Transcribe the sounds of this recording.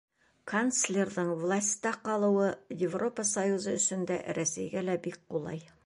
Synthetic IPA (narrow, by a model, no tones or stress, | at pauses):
kʰanslʲerðɤɴvlˠasʲt̪ɑqɑlˠɤ̆wɤjɪvro̞pəsɐjuzɤɵ̆ʃɵ̆nd̪æ̰ɾæsæjɡælæbik̚qulˠɑ̰j